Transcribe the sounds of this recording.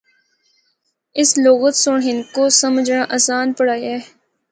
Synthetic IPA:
ɪsloːɣət̪sʊɳɦɪnkosəməd͡ʒnaʔasaːnpəɽaːiɛː

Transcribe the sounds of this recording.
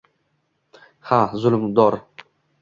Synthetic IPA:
hazʊlmd̪ɒɾ

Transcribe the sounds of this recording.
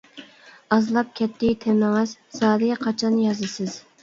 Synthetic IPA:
ɑzlˠɑp̚kʲʰɛt̪ʰːɪt̪ʰɪmɪŋɪz̥sɑːd̪ɪqʰɑt͡ʃʰɑnjɑzɨsɪz̥

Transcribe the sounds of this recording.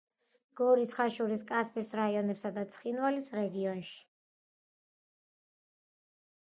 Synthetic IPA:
ɡ̥ɔɾisχaʃuɾiskʼaspʰʼisɾaiɔnɛpsad̪at̪sʰχinwalisɾɛɡiɔnʃi̥

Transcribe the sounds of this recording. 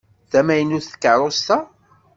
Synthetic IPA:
θæmæjənːuθə̥kːəʕɾˤost̪æ

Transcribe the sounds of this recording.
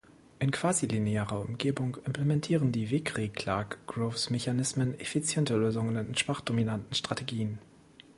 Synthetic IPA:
ʔɪnkv̥aːzilineaːʁɐʊ̰mɡeːbʊŋɪmpʰlemɛntʰiːʁəndiːveːkʁ̥eːkʰl̥akɡ̥ʁoːfsmeçanɪsmənɛfit͡sjɛntəløːzʊŋənɪnnʃv̥aχd̥ominantn̩ʃtʁ̥atʰeɡiːən

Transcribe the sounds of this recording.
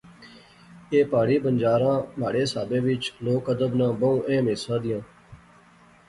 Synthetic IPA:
eːpaːɽiːbənd͡ʒaːɾãːmaːɽeːsa̰ːbẽːʋɪt͡ʃloːkəd̪əbnãːbəũːʔẽːmeːsãːd̪ɪjãː

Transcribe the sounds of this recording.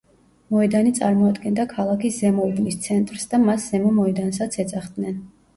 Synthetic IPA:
mɔɛd̪anit̪sʼa̰ɾmɔad̪ɡɛnd̪akʰalˠakʰiszɛmɔibnist̪sʰɛnt̪ʼɾsd̪amasz̥ɛmɔmɔɛd̪ans̬at̪sʰɛsaχd̪nɛn

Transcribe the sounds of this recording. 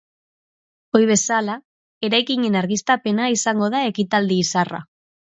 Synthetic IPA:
o̞jβ̞e̞sala | e̞ɾajkiɲenaɾɣist̪ape̞naisaŋɡo̞ðae̞kit̪ald̪iːsara̰

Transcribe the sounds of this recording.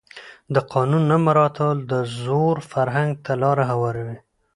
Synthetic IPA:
d̪əqɑnunːamaɾɑt̪ʰald̪əzoɾfaɾɦaŋɡ̚t̪ʰalɑɾaɦawɑɾawi

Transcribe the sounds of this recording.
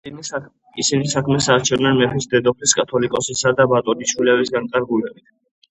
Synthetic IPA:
isinisakʰmɛsaːɾt͡ʃʰɛvnanmɛpʰisd̪ɛd̪ɔpʰliskʼat̪ʰɔlikʼɔsisad̪abat̪ʼɔniʃʰwilɛvisɡank̪ʼaɾɡulɛbit̪ʰ

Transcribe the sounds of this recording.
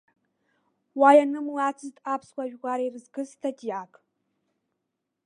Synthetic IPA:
waːjɐnɨmlaːt͡sʰɨztʼaːpʰskʷaʒᶣʁʷaːɾeːrɨzɡɨstʰɐtʰijaːkʰʼ

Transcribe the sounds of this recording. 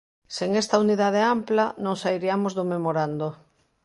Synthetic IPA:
seŋest̪auniðað̞eamplanõŋsaiɾiamozðomemoɾand̪o

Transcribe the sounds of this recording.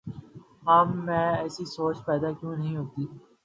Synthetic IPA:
ɦaːmːɛ̃ːɛːsisoːt͡ʃpɛːd̪akjũːnɐɦĩɦoːt̪iː

